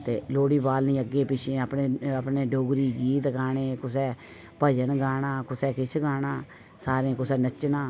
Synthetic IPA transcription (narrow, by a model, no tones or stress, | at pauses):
t̪eːloːɽiːbaːlnĩːəɡːeːpɪt͡ʃʰeːəpneːəpneːɖoːɡɾiːɡiːt̪ɡaːɽ̃eːkʊsɛː | pəd͡ʒənɡaːɽãːkʊsɛːkɪt͡ʃʰɡaːɽaː | saːɾẽːkʊsɛːnət͡ʃnaː